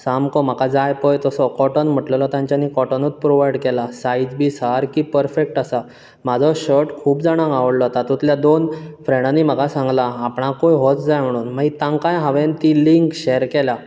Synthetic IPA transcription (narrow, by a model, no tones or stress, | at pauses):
samkɔm̤akad͡zajpɔjt̪ɔsɔkɔʈənm̤əʈləlɔt̪jãɲt͡ɕjanːikɔʈənut͡s̪̚pɾoʋajɽkɛlasaid͡zbiːsaɾkipəɾfek̚ʈasa | mad͡zʱɔɕəʈkʰuːpd͡zaɽ̃ãŋɡaʋəɽlɔt̪at̪ut̪ljad̪onfɾɛ̃ɽanːim̤akasãŋɡlaːpɳakojɦɔt͡sd͡zajm̤əɽuːnmaɡit̪ãŋkãjɦaʋent̪iliŋkɕɛɾkɛla